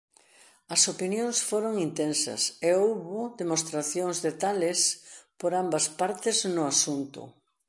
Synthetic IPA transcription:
ɐsopinjõŋsfoɾoŋint̪ensɐ̰seowβʊd̪emost̪ɾaθjoŋzðet̪alespoɾambɐspaɾt̪ɪznʊasunt̪ʊ̰

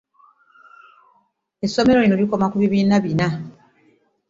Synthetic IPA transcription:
esːo̞me̞ɾolinoliko̞makuβiβiːnaβina

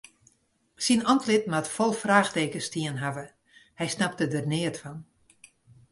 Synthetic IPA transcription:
sinɔntlɪtmatfɔlˠfraːxteːkəstiənɦavə | hɛjsnap̚tədərnɪətfɔn

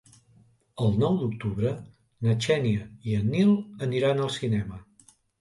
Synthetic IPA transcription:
əlˠnɔwd̪uk̚t̪uβɾə | nət͡ʃɛniəiənilˠəniɾanəlˠsinɛmə

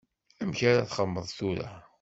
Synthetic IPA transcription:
æmçaɾaθχəmːəðˤθuɾa̰

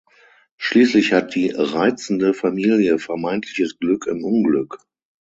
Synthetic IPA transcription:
ʃliːslɪçhat̚d̥iːʁaɪt͡sn̩dəfamiːljəfɛɐmaɪntʰlɪçəsɡ̥lʏkɪmʔʊnɡlʏk

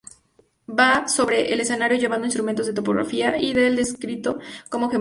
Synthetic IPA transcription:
baso̞βɾe̞ʔele̞se̞naɾjo̞ʝeβandoinst̪ɾument̪o̞zðet̪o̞poɣɾa̰fiaiðe̞ld̪e̞skɾit̪o̞ko̞mo̞xe

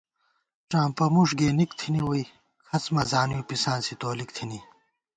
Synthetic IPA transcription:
ʈ͡ʂãːmpɐmuʂɡeːnikt̪ʰiniwoi | kʰɐt͡smɐzaːnujupisãːnsit̪oːlik̚t̪ʰini

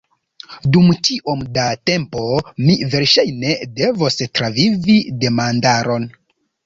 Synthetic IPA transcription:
dumt͡ʃiʔo̞mdate̞mpo̞mive̞ɾʃajne̞de̞vostɾavivide̞mandaɾo̞n

